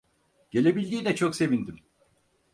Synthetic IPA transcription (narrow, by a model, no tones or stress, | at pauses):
ɟ̥e̞lʲe̞bilʲd̪iːnɛt͡ʃʰokse̞vind̪im